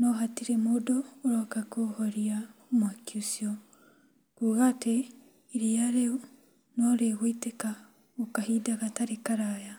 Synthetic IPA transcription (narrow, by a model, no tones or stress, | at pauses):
nɔɦatiɾemodɔːɾakakohoɾiamwakjusiɔ | kuɣate | iɾiaɾe | noɾeɣwiteka | okahiːdaɣataɾekaɾaːja